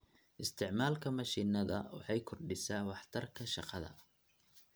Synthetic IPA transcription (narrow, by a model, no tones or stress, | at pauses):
ʔɪst̪ʰɪʕmaːlkʰɐmɐʃiːnɐðɐ̰wɑ̰ħɑjkʰɔrɖɪsaːwɑħt̪ʰɐrkʰɐʃɑqɑðɐ̰